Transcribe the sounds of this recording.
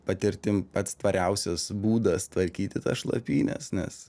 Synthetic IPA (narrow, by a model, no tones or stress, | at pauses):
pɐt̪ʲɪɾʲt̪ʲɪmpɐt̪st̪ʋɐɾʲɛʊsʲoːsbuːd̪ɐst̪ʋɐɾʲkʲiːt̪ʲɪt̪ɐsʃlˠɐ̰pʲiːnʲɛ̰snʲɛ̰s